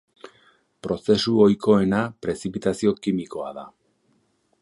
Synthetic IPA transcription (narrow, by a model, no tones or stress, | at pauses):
pɾo̞se̞suo̞jkʰo̞e̞napɾe̞sipit̪asio̞kimiko̞a̰ða